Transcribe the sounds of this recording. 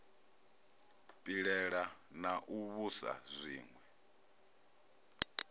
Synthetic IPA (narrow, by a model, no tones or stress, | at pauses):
pʼiɺɛɺa | naʔuβusa̰zʷḭːŋwɛ